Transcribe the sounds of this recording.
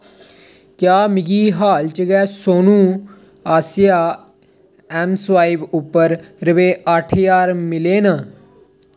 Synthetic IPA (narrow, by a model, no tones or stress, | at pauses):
kjaːmɪɡiːɦaːlt͡ʃəɡɛːsoːnũː | aːsɪjaː | ɛːmsʋaːɪbʊpːəɾɾəʋeːʔaːʈʰjaːɾmɪleːnaː